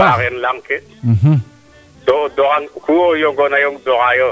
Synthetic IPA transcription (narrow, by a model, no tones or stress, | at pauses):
aɣɛn̩laŋ̩kʰɪ | ɦ | dɔdɔɣaŋhuɔjɔŋɡɔnajɔŋd̪ɔɣajɔ